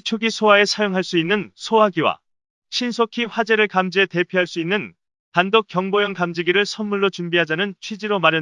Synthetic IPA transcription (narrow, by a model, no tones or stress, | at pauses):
t͡ɕʰoɡisʰowae̞sʰajoŋɦaɭs͈uinːɯnsʰowaɡiwa̰ | ɕʰinsʰokʰiɸwad͡ʑe̞ɾɯɭkamd͡ʑiete̞pʰjoɦaɭs͈uinːɯn | kandok͈jʌŋbojʌŋkamd͡ʑiɡiɾɯɭsʰʌnmuɭːot͡ɕumbiɦad͡ʑanɯnt͡ɕʰwid͡ʑiɾomaɾjʌ